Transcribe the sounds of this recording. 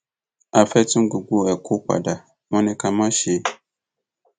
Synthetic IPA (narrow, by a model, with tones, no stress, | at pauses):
a˨fɛ˦tʊ̃˦ŋ˦ɡu˨ɡu˦ɛ˨kʰʊ˦k͡pa̰˨da˨ | mɔ̃˦nɪ̃˦ka˨mã˦ʃe˨˦